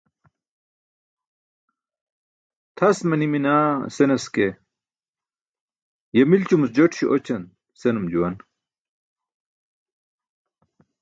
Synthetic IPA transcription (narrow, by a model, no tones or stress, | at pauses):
t̪ʰɐsmɐniminaːsenɐske | jɐmilt͡ɕumusd͡ʑɐʈɕiʔot͡ɕɐn | senumd͡ʑuwɐn